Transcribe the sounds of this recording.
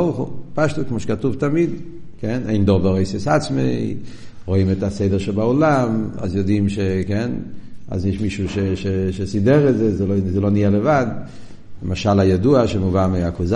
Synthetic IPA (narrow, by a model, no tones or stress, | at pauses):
ɔχṵpaʃtutkmoʃe̥katuvtamid | kɛneɪndɔvaʁojsesat͡smeɪ | ʁoimɛtaseɪdəʁʃɛlbaulama̰zjɔdimʃekɛna̰zniʃmiʃuʃeʃeʃesidɛʁɛzɛzɛlozɛlonialəvad | ləmaʃalajaduaʃemuvameakuz